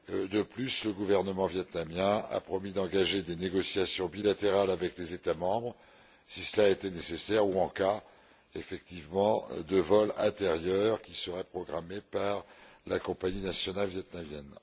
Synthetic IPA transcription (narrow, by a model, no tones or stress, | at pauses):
d̪əplysləɡuvɛʁnəmɑ̃vjɛt̪namjɛ̃a̰pχɔmid̪ɑ̃ɡaʒed̪eneɡɔsjasjɔ̃bilat̪eʁalavɛklezet̪amɑ̃bʁ | sisəlaet̪ɛnesesɛʁuɑ̃ka | efɛkt̪ivmɑ̃d̪əvɔlɛ̰̃t̪eʁjœʁkʲisəʁɛpχɔɡʁamepaʁlakɔ̃paɲinasjɔnalvjɛt̪̚namjɛn